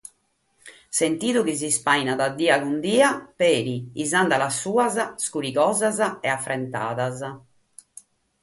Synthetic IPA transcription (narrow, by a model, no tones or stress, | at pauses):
sent̪iːðuk̟izispajnaðad̪ːiːaɡund̪iːapeːɾiizand̪alasːuːazaskuɾikɔːzazaɛafːɾɛnt̪a̰ːðaza